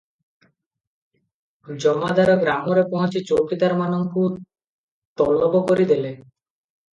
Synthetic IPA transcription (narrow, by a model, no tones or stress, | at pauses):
d͡ʑɔmad̪aɾoɡɾamoɾepɔɦɔ̃t͡ɕit͡ɕokid̪aɾmanoŋku | t̪ɔlːɔbokoɾid̪ele